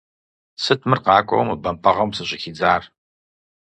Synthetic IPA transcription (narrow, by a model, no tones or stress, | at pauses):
sɨtʰmɨrqɑːkʷʼɔ̰wmɨbɐmpʰɐʁɐmsɨɕʼɪxid͡zaːr